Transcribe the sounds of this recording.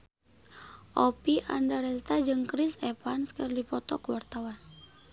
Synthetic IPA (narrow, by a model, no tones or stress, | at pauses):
ʔɔpiʔa̰ndaɾɛst̪ad͡ʒɨŋkɾisɛpanskərdipɔt̪ɔkuwart̪awan